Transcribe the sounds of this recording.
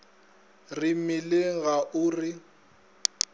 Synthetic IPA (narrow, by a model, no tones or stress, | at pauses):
rɪmɪlɪɣaʔʊrɪ